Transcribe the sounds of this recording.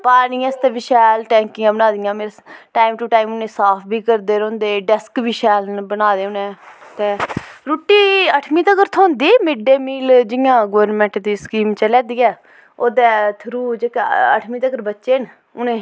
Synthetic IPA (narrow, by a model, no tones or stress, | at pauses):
paːniːəst̪eːʋɪʃɛːlʈɛ̃ːŋkɪãːbənaːd̪ɪjãːmeːɾeʈaːimʈuːʈaːimʊnẽːsaːpʰbiːkəɾd̪eːɾõːnd̪eːɖɛskʋiːʃɛːlnbənaːd̪eːʊnẽːt̪eːɾuːʈːiːəʈʰmĩːt̪əkəɾt̪ʰoːnd̪iːmɪɖeːmiːld͡ʒɪjãːɡoːɾnmɛ̃ːɳʈd̪iːskiːmt͡ʃəlɛːd̪iːɛː | oːd̪ɛːt̪ʰəɾuːd͡ʒeːkːə̰ʈʰmĩːt̪əkəɾbətːʃeːn | ʊnẽː